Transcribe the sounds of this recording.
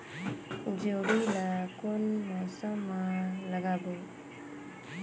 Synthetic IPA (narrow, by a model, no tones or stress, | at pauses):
d͡ʒeɾilakonmasamãləɡabo